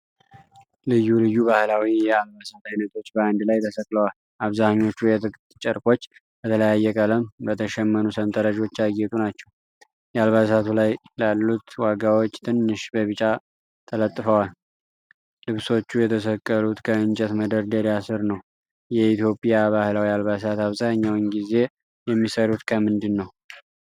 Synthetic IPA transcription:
lɨjːulɨjːuβahlawijɛalbasat̪ʰajnət̪ʰo̞t͡ʃːbəand̪lajt̪ʰəsəkʼləwal | ʔaβzahɲːo̞t͡ʃːujɛt̪ʰɨkʼtt͡ʃʼəɾkʼo̞t͡ʃː | b̥ət̪ʰələjajːɛkʼələmbət̪ʰəʃɛmːənusənt̪ʰʼəɾəd͡ʒo̞t͡ʃːaɡɛt̪ʼunat͡ʃːɛw | jalβas̬at̪ʰulajlalːut̪waɡawo̞t͡ʃːt̪ʰɨnːɨʃbəβɨt͡ʃʼa | t̪ʰələt̪ʼːɨfəwal | lɨβso̞t͡ʃːujɛt̪ʰəsəkʼːəlut̪kʰəɨnt͡ʃʼɛt̪məd̪əɾd̪əɾjasɨɾnəw | jɛit̪ʰjo̞pʼijaβahlawialβas̬at̪aβzaɲːawnɡize̞ | jɛmːisəɾut̪kʰəmɨnd̪ɨnːəw

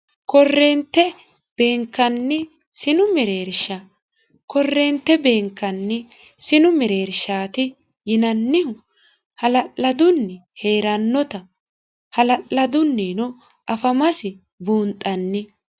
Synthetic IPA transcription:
kɔrːɛnt̪ːɛ | b̥e̞ːŋkːɐnːɪ | sɪnʊmɛɾe̞ːɾʃɐ | kɔrːeːnt̪ːɛbe̞ːŋkːɐnːɪ | sɪnʊmɛɾe̞ːɾʃaːt̪ɪ | jɪnɐnːɪʊ | hɐlɐʔlːɐd̪ʊnːɛhe̞ːɾɐnːɔt̪ɐ | hɐlɐʔlɐd̪ʊnːeːnɔ | ɐfɐmɐsɪ | buːnt̪ʼɐnːɪ

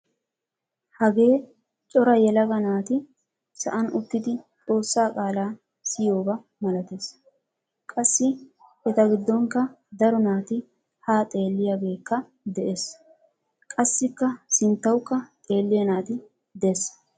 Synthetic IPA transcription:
hɐɡe̞ː | t͡ʃʼɔɾɐjɛlɐɡɐnaːt̪ɪ | sɐ̰ʔɐnʊt̪ːɪd̪ɪt͡sʼo̞ːsːaːkʼaːlaː | sɪjo̞ːbɐ | mɐlɐt̪es | kʼɐsːɪɛt̪ɐɡɪd̪ːɔŋkːɐd̪ɐɾɔnaːt̪ɪ | haːt̪ʼe̞ːlːɪjaːɡe̞ːkːɐ | d̪ɛʔe̞ːs | kʼɐsːɪkːɐsɪnt̪ːɐwkːɐt̪ʼe̞ːlːɪjɐnaːt̪ɪ | d̪es

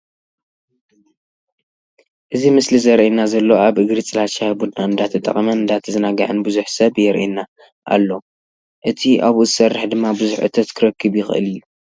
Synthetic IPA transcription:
ʔɨzimɨslizɐɾʔinazɐlːoaβʔɨɡɾit͡sʼɨlat͡ʃabud̪naɨnd̪at̪ʰɐt̪ʼɐ̰χʼɐmɐnɨnd̪at̪ʰizɨnaɡɐʕɨnbɨzuħsɐβjɛɾʔina | ʔa̰lːo | ʔɨt̪ʰiʔaβuzɨsɐrːɨħd̪ɨmːabɨzuħʔɨ̰t̪ʰɐt̪kʰɨɾɐkʰːɨβjɪxɨ̰ʔɨ̰lijːu

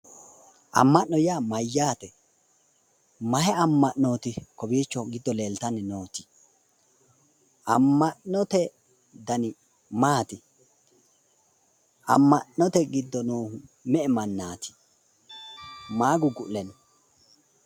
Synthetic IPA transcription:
ʔɐ̰mːɐʔnɔjaːmɐjːaːt̪ɛ | mɐhɛɐmːɐʔnːoːt̪ɪkɔbiːt͡ʃːɔɡɪd̪ːɔleːlt̪ɐnɛnoːt̪ɪ̥ | ʔɐ̰mːɐʔɔt̪ɛ | d̪ɐnɪ | maːt̪ɪ | ʔɐ̰mːɐnːɔt̪ɛɡɪd̪ːɔnoːhʊmɛʔɛmɐnːaːt̪ʰɪ̥ | maːɡʊɡʊlɛn

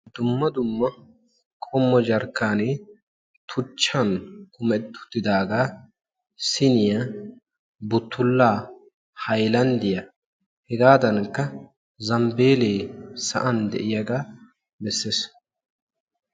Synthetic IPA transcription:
d̪̥ʊmːɐd̪ʊmːɐ | kʼɔmːɔd͡ʒɐɾkːaːneː | t̪ʰʊt͡ʃːɐnkʊmɛt̪ːʊ̥t̪ːɪd̪aːɡaː | sɪnɪjɐ | bʊt̪ʰːʊlːaː | hɐjlɐnd̪ɪjɐ | hɛɡaːd̪ɐnkːɐ | zɐmbe̞ːleːsɐ̰ʔɐnd̪ɛ̰ʔɪjɐɡaː | bɛsːeːs

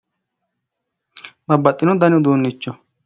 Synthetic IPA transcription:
bɐbːɐt̪ʼːɪnɔd̪ɐnɪʊd̪uːnːɪt͡ʃːɔ

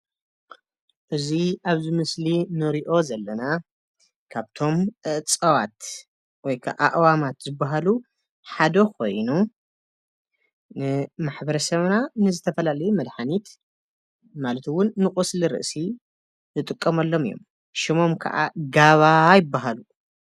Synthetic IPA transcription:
ʔɨziʔaβzimɨslinɨɾiʔo̞zɐlːɐna | kʰaβt̪ʰo̞mʔɨʔt͡sʼɐwat̪ | wɔjkʰa̰ʔaʔwamat̪zɨbːaɦalu | ħad̪ɐkʰo̞̰jnu | nɨmaħbɐɾɐsɐβnanɨzɨt̪ʰɐfɐlalɐjumɐd̪ħanit̪ | malɐt̪ʰwʊnːɨkʼusliɾɨ̰ʔsi | zɨt̪ʼɨkʼːɐmalːo̞mɨjːo̰m | ʃɪmo̞mkʰɐ̰ʔa̰ɡaβajɪbːaɦalu

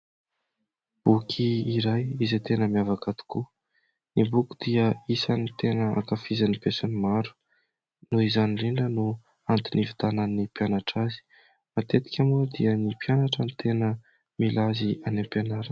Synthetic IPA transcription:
b̥ukʰiːɾajizet̪enəmiavakat̪u̥ku | nibuku̥d̪̥iəisanit̪enəa̰kafizanipesunimaɾu̥ | nuizaniriɳɖ͡ʐənu | ant̪inivid̪ananːipjanaʈ͡ʂazi̥ | mat̪et̪i̥kʲamuɾid̪iənipjanaʈ͡ʂənit̪enə | milazianempenaɾə

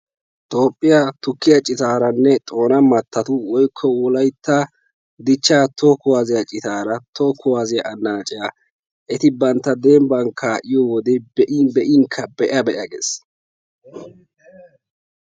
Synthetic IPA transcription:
t̪ʼo̞ːpʼːɪjat̪ʊkːɪjɐt͡ʃʼɪt̪aːɾɐnːɛt̪ʼo̞ːnɐmɐt̪ʰːɐt̪ʊwɔjkʰːɔʊlɐjt̪ʰːa | d̪ɪt͡ʃːaːt̪ʰokʊwaːzɪjɐt͡ʃʼɪt̪aːɾɐt̪ʰokːʊwaːzɪjɐʔɐnːaːt͡ʃʼɪja | ʔɛt̪ɪbɐnt̪ːɐd̪eːmbɐŋkʰaːʔɪjɔwɔd̪ɛbɛʔɪbɛʔɪŋkʰːɐbɛʔɐbɛʔɐɡḛs

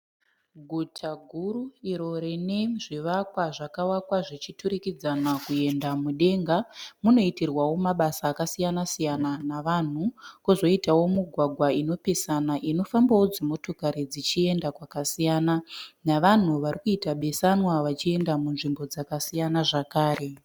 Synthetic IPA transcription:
ɡʱutʰaɡʱuruiɾo̞ɾeneʐiʋakwaʐakawakwaʐit͡ʃituɾikid͡zanakue̞ndamuɗe̞ːŋɡamuno̞itirwawo̞maɓasaːkasijanasijananaʋan̤ukuzo̞itawo̞muɡʱwaɡʱwaino̞pesanaʔino̞fambawo̞d͡zimo̞to̞kaɾid͡zit͡ʃie̞ndakwakasijaːnanaʋan̤uʋarikuitaɓe̞sanwaʋat͡ʃie̞ndamunʐimbo̞d͡zakasijanaʐakaːre̞

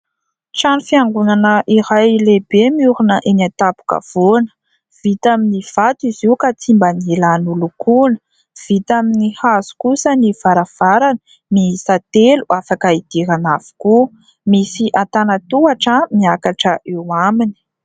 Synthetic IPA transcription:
ʈ͡ʂanufiaŋɡunanəʔiɾajlebemiuɾunəʔenat̪apu̥kə̰v̥onə̥ | v̥it̪aminiv̥at̪iziwkat͡simbanilanulukunə | v̥it̪aminihazu̥kusəniv̥aɾav̥aɾanə̥ | miɦisat̪eluʔafakəid̪̥iɾanav̥u̥ku | misiʔat̪anat̪uaʈ͡ʂəmiakaʈ͡ʂəʔewamini̥

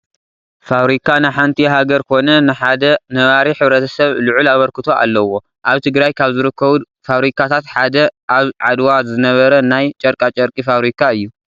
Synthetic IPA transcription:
faβɾikʰanɨħant̪ʰiɦaɡɐɾkʰo̞nɐnɨħad̪ɐnɐβaɾiħɨβɾɐt̪ʰɐsɐβluʕulaβɐɾkɨt̪ʰo̞ʔa̰lːɐwo̞ | ʔaβt̪ʰɨɡɾajkʰaβzɨɾɨkːɐβu | faβɾikʰat̪ʰat̪ħad̪ɐʔaβʕad̪wazɨnɐβɐɾɐnajt͡ʃʼɐɾkʼat͡ʃʼɐɾkʼifaβɾikʰaɨjːu

